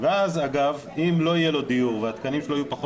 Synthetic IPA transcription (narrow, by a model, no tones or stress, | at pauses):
veazaɡav | imlo̞ijelo̞d̪ijuʁveat̪kanimʃeloajupaχo